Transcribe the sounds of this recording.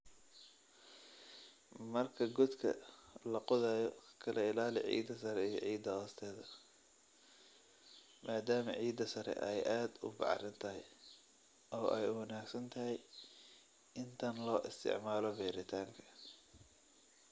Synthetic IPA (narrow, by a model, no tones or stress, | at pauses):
mɐrkʰɐɡʊd̪kʰɐ̰lɐqʊðaːjɔkʰɐlɐɪlaːlɪ̰ʕḭːd̪ɐsɐɾɛijɔ̰ʕiːd̪ɐhɔːst̪ʰɛːðɐ | mʔaːd̪aːmɐ̰ʕiːd̪ɐsɐɾɛ̰ʔɛjʔaːd̪ʊ̰bɑ̰ħrɪnt̪ʰɐɦɛj | ʔɔːʔɛjwɐnaːɡsɐnt̪ʰɐɦɛj | ɪnt̪ʰɐnlɔːʔɪst̪ʰɪ̰ʕmaːlɔbɛːɾɪt̪ʰaːŋkʰɐ̥